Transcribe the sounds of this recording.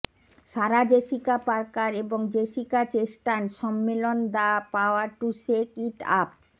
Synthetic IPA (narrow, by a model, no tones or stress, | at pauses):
ʃaɾad͡ʑeʃikapaɾkaɾeboŋd͡ʑeʃikat͡ɕeʃʈanʃɔmːelond̪apaoaɾʈusekiʈa̰p̚